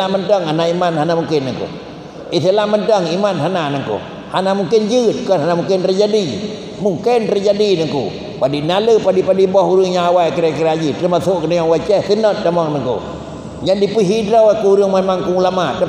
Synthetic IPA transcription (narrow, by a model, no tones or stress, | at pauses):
amantəŋanaimanɦanamuŋkɪnːəŋkṵ | it̪əlaʔmantəŋimanɦananaŋkṵ | hanamuŋkɪnd͡ʒɨt̪̚kɔnhanamuŋkɪnt̪əd͡ʒadi | muŋkɪnt̪əd͡ʒadinəŋkṵ | padinaləpadipadibɔhuɾɨŋɲaawaikəɾakiɾad͡ʒit̪əmasoʔkənəɲaŋwat͡ʃɛht̪ənɔt̪̚ːamɔŋnəŋkṵ | ɲaʔdipiɦidɾɔwakuuɾɨəŋmamaŋkuŋulamaʔt̪ə